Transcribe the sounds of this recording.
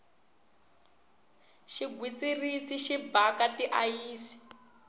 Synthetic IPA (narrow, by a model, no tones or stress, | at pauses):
ʃiɡʱwit͡sirisiʃibakatiʔajiːsi̥